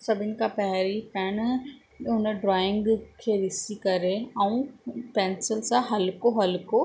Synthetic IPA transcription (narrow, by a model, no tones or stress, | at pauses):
sɐbʱɪnɪ̆kʰãpɐɦɾipɛːn | ʊnəɖɾaːɪ̃ŋɡkʰeːɾɪsikɐɾeɛ̃ũpɛːnsɪlsãɦɐlkoɦɐlko